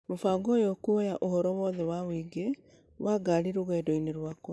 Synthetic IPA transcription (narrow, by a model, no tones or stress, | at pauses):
mofaːɡɔjokuɔjaʔohɔɾɔwɔðɛwawiːɡe | wʔaɡaɾiɾoɣɛːdɔineɾwakɔ